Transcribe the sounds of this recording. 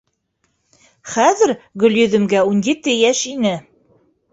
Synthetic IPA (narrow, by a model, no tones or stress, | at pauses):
χæðɘ̆ɾɡɵ̆ljɵ̆ðɵ̆mɡæunjɘ̆t̪ːɘjæʃinɘ